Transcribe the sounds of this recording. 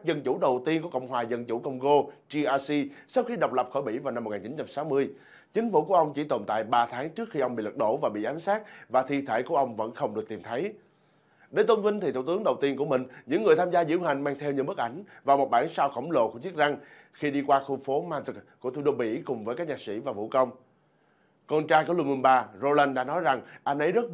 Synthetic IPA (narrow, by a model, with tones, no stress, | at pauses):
a˦˥k̚zə˧nt͡ɕu˧˩ɗə˨˩wt̪i˧ənku˧˩əkə˧˨wŋ͡mɦwaː˨˩zə˧nt͡ɕu˧˩kə˧wŋ͡mɣo˧t͡ɕi˧ʔaː˧si˧sə˦˥xi˧ɗə˨˩wk͡p̚lə˨˩p̚xəː˧˩ɓḭ˧˩va˨˩na˧m̚ː˨˩ŋaː˨˩t͡ɕi˨˦nt͡ɕa˧msaː˨˦wmɨ˧əj | t͡ɕï˨˦ŋ̟fṵ˧˩ku˧˩əʔə˧wŋ͡mt͡ɕi˧˩t̪o˨˩nt̪a̰ː˧˨jɓaː˧t̪ʰaː˨˦ŋt͡ɕɨ˦˥ək̚xi˧ʔə˧ŋ͡mḭ˧˨lɨ˨˩k̚ɗo˧˩vaː˨˩ɓḭ˧˨ʔaː˨˦msaː˦˥t̚vaː˨˩t̪ʰḭ˧˨t̪ʰə̰ː˧˩jku˧˩əʔə˧wŋ͡mvə̰˧˥nxə˧wŋ͡mɗɨ˨˩ək̚t̪i˨˩mt̪ʰə˨˦j | ɗe˨˦jt̪o˧nvï˧ŋ̟t̪ʰi˨˩˧t̪əŋɗə˨˩wt̪i˧ənku˧˩əmï˨˩ŋ̟ɲɨ̰˧˥ŋːɨ˨˩əjt̪ʰaː˧mzaː˧zḭ˧˥əwɦa˨˩jŋ̟maː˧ŋt̪ʰɛ˧wɲɨ̰˧˥mə˦˥k̚ʔa˧˩jŋ̟vaː˨˩mo˨˩ɓaː˧˩nsaː˧wxə˧˩wŋ͡mlo̰˧˨ku˧˩t͡ɕi˦˥ət̚za˧ŋ | xi˧ɗi˧kwaː˧xu˧fo˨˦maː˧t̪ɨ˨˩kku˧˩ət̪ʰu˧˦ɗo˧ɓḭ˧˥kʊ˨˩ŋ͡mvəː˨˦kaː˦˥k̚ɲaː˨˩sḭ˧˥vaː˨˩vṵ˧˩kə˧wŋ͡m | kɔ˧nt͡ɕaː˧jku˧˩əlu˧mu˧nɓaː˧zo˧la˧nɗa̰ː˧˥nɔ˨˦jza˨˩ŋʔa˧jnʔə˨˦jzə˦˥t̚